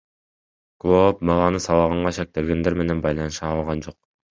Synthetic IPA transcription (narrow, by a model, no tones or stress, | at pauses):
klˠop̚mɑlˠɑnɯsɑlˠɑʁɑɴʁɑʃek̚t̪e̞lɡʲe̞nd̪e̞ɾme̞ne̞nbɑjlˠɑnɯʃɑːlˠʁɑnd͡ʒo̞q̚